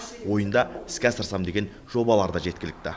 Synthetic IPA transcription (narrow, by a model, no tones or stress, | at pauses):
wo̞jənd̪ɑɪskʲæsəɾsɑmd̪e̞ɡʲe̞n | ʒ̥o̞bɑlˠɑɾd̪ɑʒe̞t̪̚kʲɪlɪk̚t̪ɪ